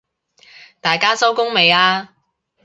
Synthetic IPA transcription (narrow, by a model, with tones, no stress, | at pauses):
t̪aː˨jkaː˥sɐ˥wkʊ˥ŋme˨jaː˧